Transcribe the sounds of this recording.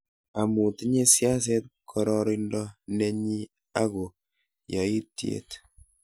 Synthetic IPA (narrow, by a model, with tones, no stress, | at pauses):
a˨mu˨ti˦ɲe˦sja˦s̬e˦t̚kʰɔ˦ɾɔ˦ɾi˦ndɔ˦nɛ˦ɲi˦ | a˦ɡo˨ | jɔ˨i˦tjḛ˨t